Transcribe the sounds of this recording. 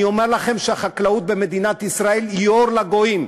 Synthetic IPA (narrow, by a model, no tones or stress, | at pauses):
io̞meʁlaχe̞mʃeaχaklaut̪̚be̞me̞d̪inat̪isʁae̞lioɾlaɡo̞im